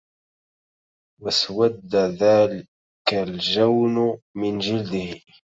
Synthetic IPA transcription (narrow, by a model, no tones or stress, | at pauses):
waswad̪ːaðaːlɪ | kald͡ʒawnmɪnd͡ʒɪld̪ɪh